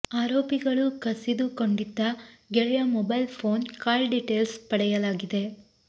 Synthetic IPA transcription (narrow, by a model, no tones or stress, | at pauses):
aːɾoːpiɡɐɭukɐsid̪ukoɳɖid̪ːɐɡɛɭɛjɐmɔbɐjlpʰoːnkaːlɖiʈeːlspɐɽɛjɐlaːɡid̪e̞